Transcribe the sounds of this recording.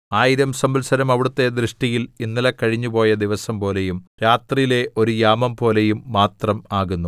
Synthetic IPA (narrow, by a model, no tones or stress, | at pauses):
aːjiɾɐmsɐmbɐlsɐɾɐmɐʋiɽut̪ːe̞d̪rɨʂʈijilinːilɐkɐɻiɲːupo̞ːjɐd̪iʋɐsɐmpo̞ːle̞jumɾaːt̪rijile̞ʔo̞ɾujaːmɐmpo̞ːle̞jumːaːt̪rɐmaːɣunːu